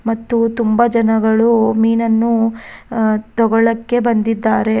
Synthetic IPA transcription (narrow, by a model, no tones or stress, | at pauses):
mɐt̪ːut̪umbɐd͡ʒɐnɐɡɐɭumiːnɐnːu | t̪ɔɡɔɭɐkːe̞bɐnd̪id̪ːaːɾe̞